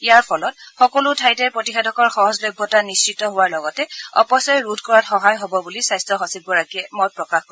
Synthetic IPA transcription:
ijaɹpʰɔlɔt̚xɔkɔlʊtʰajtɛɹpɹotixɛdʱɔkɔɹxɔɦɔzlɔjbʱːɔtanist͡ʃɹitɔɦʊwaɹlɔɡɔtɛɔ̰pɔsaɹɹudʱkɔɹatxɔɦajɦobɔbulisajstɹɔxɔsik̚bɔɹakiɛmɔj̚pɹɔkaxkɔ̃

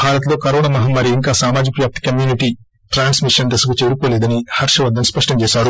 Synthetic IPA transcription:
bʱaːɾɐt̪lo̞ːkɐɾoːɳɐmɐɦɐmːɐɾiːŋkaːsaːmaːd͡ʒikɐʋjaːp̚t̪i̥kɐmjuːniʈi | ʈɾaːnsmiʂɐnd̪ɐsɐkut͡ʃeːɾukoːlɛːd̪ɐnihɐɾʂɐʋɐd̪ːɐmspɐʂʈɐmt͡ʃɛːʃaːɾu

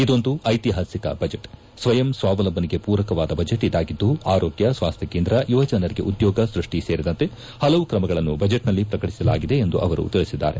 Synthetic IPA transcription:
id̪o̞nd̪uʔɐjt̪iɦaːsikɐ̰bɐd͡ʒeʈ | sʋɐjɐmsʋaːʋɐlɐbʱːɐniɡe̞puːɾɐkɐʋaːd̪ɐbɐd͡ʒeʈːid̪aːɡid̪ːuaːɾoːɡjɐsʋaːst̪jɐkeːnd̪ɾɐjuʋɐd͡ʒɐnɐɾiɡe̞̰ʔud̪jɔːɡɐsɾuʂʈiseːɾid̪ɐnt̪e̞ | hɐlɐʋukɾɐmɐɡɐɭɐnːubɐd͡ʒeʈnɐlːipɾɐkɐʈisɐla̰ːɡid̪e̞ːnd̪uʔɐʋɐɾṵt̪iɭisid̪ːa̰ːɾe̞̰

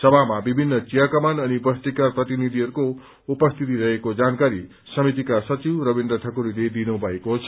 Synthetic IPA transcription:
sʌbʱamabibʱinːʌt͡sijakʌmanʌnibʌst̪ikarprʌt̪inid̪ʱiɦʌɾuko | upʌst̪ʰit̪iɾʌɦekod͡zankaɾi | sʌmit̪̬ikasʌt͡siwɾʌbind̪rʌʈʰʌkuɾiled̪inõbʱʌekot͡sʰʌ

